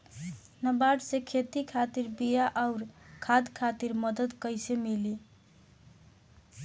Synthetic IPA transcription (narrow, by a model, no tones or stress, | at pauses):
nəbaɖsekʰet̪ikʰat̪iɾbijaʔaʊɾkʰad̪kʰat̪iɾməd̪əd̪kəjsemili